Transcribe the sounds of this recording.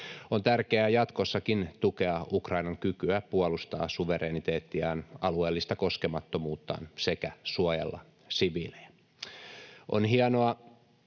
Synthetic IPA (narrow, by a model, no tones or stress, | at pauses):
ont̪ærkeæjɑt̪kosːɑkint̪ukeɑʔukrɑinɑŋkykyæpuɑlust̪ɑ̰ːsuʋeɾeːnit̪eːt̪ːiɑːnɑlueːlːist̪ɑko̞skemɑt̪ːomuːt̪ːɑ̰ːnsekæsuɑjḛlːɑ̰ | siʋile̥æ | ʔo̰nɦiɑnoɑ